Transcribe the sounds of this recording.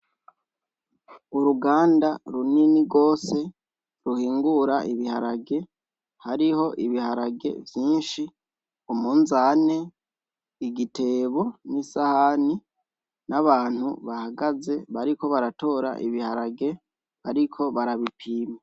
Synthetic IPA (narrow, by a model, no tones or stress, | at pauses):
uɾuɡaːndaɾuniniɾɡo̞ːse̞ | ɾuhiːŋɡuɾaʔiβihaɾaɡe̞ | haɾiho̞ʔiβihaɾaɡe̞̰vjiːnʃi | umuːnzane̞ | iɡitʰe̞ːβo̞nisahani | naβaːn̥huβahaɡaze̞βaɾiko̞βaɾato̞ɾa̰ʔiβihaɾaɡe̞ | aɾikʰo̞βaɾaβipʰiːme